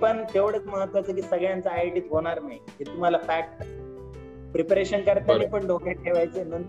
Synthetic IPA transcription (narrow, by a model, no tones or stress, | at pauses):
pəɳt̪eʋɽət͡sməɦət̪ːʋat͡səkiːsəɡɭjant͡saːjʈiːt̪ɦoɽ̃aɾnaɦiɦet̪um̤alafæk̚ʈ | pɾepɾeɕənkəɾt̪janipəɳɖʱokeʈ̚kʰeʋajt͡senən